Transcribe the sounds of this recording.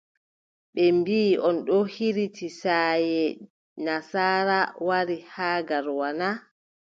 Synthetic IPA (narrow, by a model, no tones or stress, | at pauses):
ɓɛmbiːɔnɗɔhiɾitisajɛ | nasaːɾawaɾihaːɡaɾwana